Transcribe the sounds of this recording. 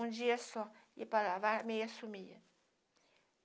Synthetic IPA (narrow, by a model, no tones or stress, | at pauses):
ũd͡ʒiɐsɔipalavamejasumiɐ